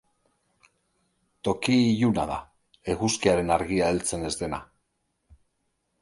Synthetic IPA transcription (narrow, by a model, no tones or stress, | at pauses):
t̪o̞kijuna̰ð̞a̰ | e̞ɣuskiaɾe̞naɾɣiae̞lt͡se̞ne̞zd̪e̞na̰